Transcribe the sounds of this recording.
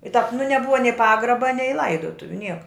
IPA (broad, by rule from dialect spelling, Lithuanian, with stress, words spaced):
ɪ tɑːp nʊ nʲɛˈbʊʋɐ nʲɛɪ ˈpɑːɡrɐbɐ nʲɛɪ ˈlˠɐɪdoːtʊʋʲʊ ˈnʲiɛkɐ